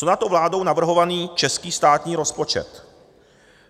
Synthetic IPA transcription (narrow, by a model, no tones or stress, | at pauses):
onat̪owvlaːdo̞wnavr̩ɦo̞vaniːt͡ʃɛskiːst̪aːt̪ɲiːɾo̞spo̞t͡ʃɛ̰t̪